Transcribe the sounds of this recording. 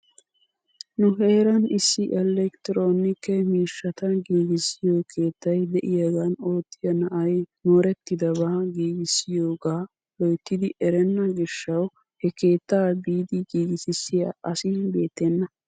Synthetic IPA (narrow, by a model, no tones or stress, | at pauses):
nʊɦe̞ːɾɐnɪsːɪʔɛlɛkt̪ɪɾo̞ːnɪkːɛmiːʃːɐt̪ɐɡiːɡɪsɪjoːkʰe̞ːt̪ːɐjd̪ɛʔɪjɐɡɐno̞ːt̪ːɪjɐnɐʔɐjnoːɾɛt̪ːɪd̪ɐbaːɡiːɡɪsːɪjo̞ːɡaː | lɔjt̪ːɪd̪ɪʔɛɾɛnːɐɡɪʃːɐw | hɛke̞ːt̪ːaːbiːd̪ɪɡiːɡɪsɪsːɪja̰ːʔɐsɪbe̞ːt̪ːɛnːɐ